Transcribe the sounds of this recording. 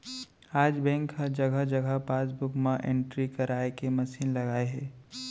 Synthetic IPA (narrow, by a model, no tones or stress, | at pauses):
aːd͡ʒbɛ̃ːŋkɦəd͡ʒɐɡʱəd͡ʒɐɡʱəpaːsbʊkmãʔẽɳʈɾikɐɾaːekemɐsiːnlɐɡaːeɦɛː